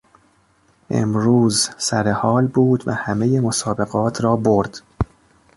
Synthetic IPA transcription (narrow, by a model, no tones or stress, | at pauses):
ʔḛmɾuːzsæɾehɒːlbuːd̪væhæmejemosɒːbe̞ɣɒːt̪ʰɾɒːboɾd̪̥